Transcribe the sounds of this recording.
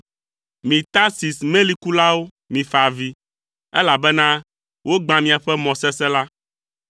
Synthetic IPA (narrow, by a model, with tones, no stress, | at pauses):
mĩ˨t̪a˦si˨smẽ˦li˦ku˦la˦wo˦ | mĩ˨fa˨vi˦ | ɛ̰˦la˨bɛ˦nã˦ | wʔo˦ɡ͡bã˨mĩ˨a˨ɸɛ˦mɔ̃˨sɛ˦sɛ˦la˦